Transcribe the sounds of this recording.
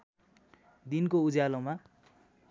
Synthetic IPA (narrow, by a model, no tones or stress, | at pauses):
d̪inkoud͡zaloma